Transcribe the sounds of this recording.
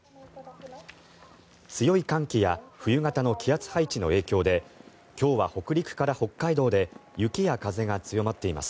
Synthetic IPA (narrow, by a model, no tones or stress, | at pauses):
t͡sɨjo̞ikãŋkʲijaɸɯ̟jɯ̟ŋat̪ano̞kʲʰiat͡sɨ̥hait͡ɕino̞̰e̞ːkʲo̞ːd̪e̞ | kʲo̞ːβaho̞kɯ̟ɾʲikɯ̟̥kaɾaho̞kːaid̪o̞ːd̪e̞jɯ̟kʲijakaze̞ŋat͡sɨjo̞mat̪ːe̞ima̰sɨ̥